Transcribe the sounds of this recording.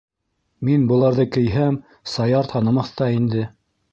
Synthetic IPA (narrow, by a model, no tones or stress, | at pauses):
minbɤ̆lˠɑɾðɤkɘ̆jɦæm | sɑjɑɾt̪hɑnɑ̆mɑθt̪ɑind̪ɘ